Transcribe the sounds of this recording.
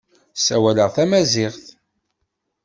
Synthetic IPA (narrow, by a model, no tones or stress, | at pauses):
sæ̰wæləʁθæmæzɪʁθ